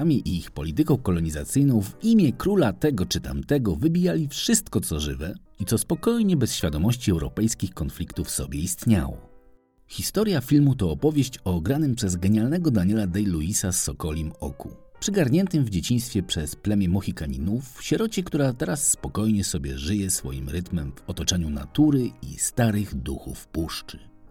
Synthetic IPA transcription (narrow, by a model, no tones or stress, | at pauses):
amʲiʔiixpɔlʲit̪ɘkɔ̃w̃kɔlɔɲizat̪sɘjnɔ̃w̃vimʲjɛkɾulat̪ɛɡɔt͡ʂɘt̪a̰mt̪ɛɡɔvɘbʲijalʲifʂɘst̪kɔt̪sɔʐɘ̰vɛ | it̪sɔspɔkɔjɲɛbɛsɕfʲjad̪ɔmɔɕt͡ɕiɛwɾɔ̰pɛjskʲixkɔnflʲikt̪ufsɔ̰bʲjɛist̪ɲa̰wɔ̰ | xʲist̪ɔɾjafʲilmut̪ɔːpɔvʲjeɕt͡ɕɔɡɾanɘmpʂɛzɡɛɲalnɛɡɔd̪aɲɛlad̪ɛjluisasːɔkɔlʲimɔ̰ku | pʂɘɡaɾɲɛnt̪ɘmvd͡ʑet͡ɕiɲ̃st̪fʲjɛpʂɛsplɛmʲjɛmɔxʲikaɲinufɕɛɾɔt͡ɕɛkt̪uɾat̪ɛɾasːpɔkɔjɲɛsɔbʲjɛ̰ʐɘjɛsfɔ̰jimɾɘt̪mɛmvɔt̪ɔt͡ʂɛɲuna̰t̪uɾɘḭst̪aɾɘɣd̪uxṵfpuʂt͡ʂɘ̥